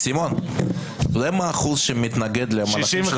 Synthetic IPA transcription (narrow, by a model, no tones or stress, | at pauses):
simon | zɛmaːχulʃemɪt̪naɡed̪lɛmaaʃ